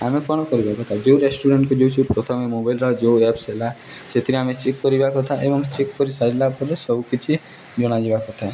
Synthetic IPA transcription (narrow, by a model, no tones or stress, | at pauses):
amekɔɽ̃ɔkɔɾibakɔt̪ʰad͡ʒeuɾesʈuɾeɳʈkud͡ʒewt͡ʃʰupɾɔt̪ʰɔmemobajlɾɔd͡ʒeuepsela | set̪ʰiɾiamet͡ʃekːɔɾibakɔt̪ʰaʔebɔŋt͡ʃekːɔɾisaɾilapɔlesɔbukit͡ʃʰi | d͡ʒɔɽ̃ad͡ʒebakɔt̪ʰae